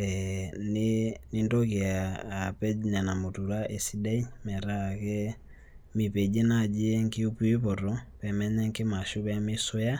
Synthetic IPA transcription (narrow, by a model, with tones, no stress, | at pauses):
ɛneni˦ndɔke˨aː˨pɛ˦ɲa˨na˨mo˨tu˨ɾa˦ʔe˨si˦da˦i˦mɛ˨ɾa˦˨kɛ˦ | mi˨pɛ˨d͡ʒe˦na˦˨d͡ʒi˦ɛ˦ŋke˦u˦pu˦e˦pɔ˨ɾɔ˨pɛ˨mɛ˦ɲɛ˦ŋke˦ma˨ʃu˦βa˦me˦so˦ja˦